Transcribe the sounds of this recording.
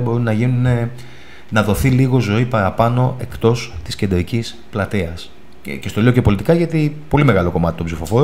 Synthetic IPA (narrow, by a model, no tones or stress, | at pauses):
bo̞ɾunnɐʝinune̞ | nɐðo̞θiliɣo̞zo̞ipɐɾɐpɐno̞ʔe̞kt̪o̞st̪isce̞nd̪ɾicis | plɐt̪iɐs | cest̪oliocepo̞lit̪ikɐʝɐt̪ipo̞lime̞ɣɐlo̞ko̞mɐt̪i̥t̪opsifo̞fo̞ɾ